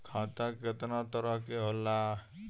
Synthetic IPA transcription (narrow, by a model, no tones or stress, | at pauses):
kʰãt̪aket̪nat̪əɾəɦkeɦolːa